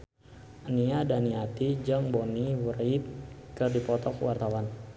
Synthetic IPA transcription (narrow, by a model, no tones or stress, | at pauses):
ʔaniadaniat̪id͡ʒaŋbɔniwuɾait̪̚kərdipɔt̪ɔkwart̪awan